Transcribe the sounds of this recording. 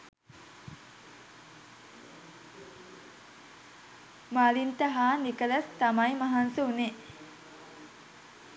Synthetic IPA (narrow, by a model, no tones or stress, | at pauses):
malint̪əɦaːnikələst̪amajmaɦansuune